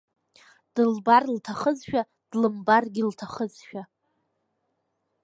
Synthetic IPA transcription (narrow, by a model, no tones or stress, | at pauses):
d̥ɨlbarltʰaχəzʃᶣa | d̥lɨmbarɡʲɪltʰaχəzʃᶣa